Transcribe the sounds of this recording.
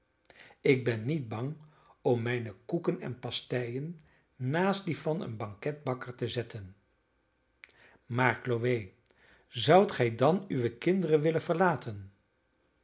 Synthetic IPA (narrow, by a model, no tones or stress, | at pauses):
ɪɡ̚bɛnːid̚bɑŋ | ɔmːɛjnəkukənɛ̰npɑstɛjənː | aːstdifɑnə̰nbɑŋkɛd̚bɑkəɹtəzɛtən | maːɹkloʋej | zʌwtχɛjdɑnyʋəkɪndərənʋɪlənvəɹlaːtən